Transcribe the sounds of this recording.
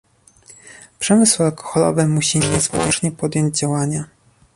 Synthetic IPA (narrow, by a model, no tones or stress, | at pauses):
pʂɛmɘswalkɔ̥xɔlɔ̰vɘmuɕiɲɛzvwɔ̰t͡ʂɲɛpɔd̪ʲjɔɲd͡ʑd͡ʑawaɲa